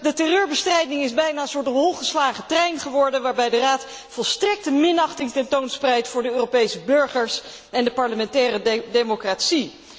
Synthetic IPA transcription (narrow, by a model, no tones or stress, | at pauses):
dətɛrøːɹbəstrɛjdɪŋɪzbɛjnaːəsʊːɹtɦolˠχəslaːχətrɛjnχəʋɔɹdənʋaːɹbɛjdəraːt | fɔlˠstrɛk̚təmɪnɑχtɪŋtɛntownsprɛjtfʊːɹdəøːropejsəbɵɹχəɹs | ɛndəpɑɹləmɛntɛːrədejmokraːtsi